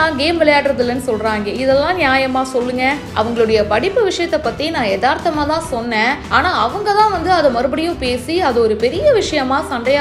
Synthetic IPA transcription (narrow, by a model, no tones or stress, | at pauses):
aːŋɡeːmʋɛlɐjaːʈɯɾɐðɯlːɐnːɯsɔlɾaːŋɡɐɪðɛlːãːnjaːjɐmaːsɔlːɯŋɡɐʔɐ̰ʋɐŋɡɐɭɯɽɐjɐpɐɽɪpːɯʋɪʂɐjɐt̪ːɐpːɐːɾt̪inãːɛðaːɾt̪ɐmaːt̪ãːsɔnːɛ̃ːaːnaːɐʋɐŋɡɐt̪ãːʋɐnd̪ɯɐðɐmɐɾɯbɐɽɪjʊ̃peːsiɐðɔɾɯpɛɾɪjɐʋɪʂɐjɐmaːsɐnɖ̪ɐjaː